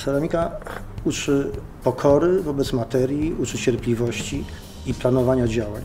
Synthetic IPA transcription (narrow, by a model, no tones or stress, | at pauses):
saɾamʲikaut͡ʂɘ | pɔkʰɔɾɘvɔbɛt̪smat̪ɛɾʲjiut͡ʂɘt͡ɕɛɾplʲivɔɕt͡ɕi | iplanɔvaɲad͡ʑawa̰ɲ